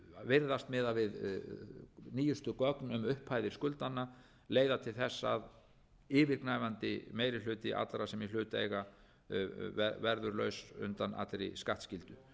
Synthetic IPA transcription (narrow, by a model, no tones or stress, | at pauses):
vɪɾðast̪mɪːðavɪð | niːjʏst̪ʏkɔknʏmʏhpʰhaːjðɪɾ̥skʏlt̪anːa | leːjðat̪ʰɪlθɛsːað | ɪːvɪɾknaːjvant̪ɪmeːjɾɪlʏːt̪ɪʔa̰t̪lɾasɛmilʏːt̪ejɣa | ɛvɛɾðʏɾlœːɥsʏ̰nt̪ana̰t̪ɾḛjskaht̪scɪlt̪ʏ